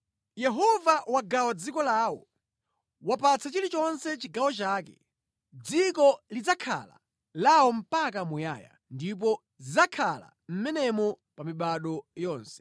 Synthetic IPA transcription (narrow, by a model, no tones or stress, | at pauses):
jɛɦɔvawaɡawad͡zikɔlaːwɔ̰ | wapat͡sʰat͡ʃiɾit͡ʃɔnsɛt͡ʃiɡawɔt͡ʃaːkɛ̰ | d͡zikɔlid͡zakʰa̰la̰ | lawɔm̩pakamuja̰ːja̰ | ndip̬ɔ | zizakʰala̰ | m̩mɛnɛmɔ | pamiɓaɗɔjɔːnsɛ̥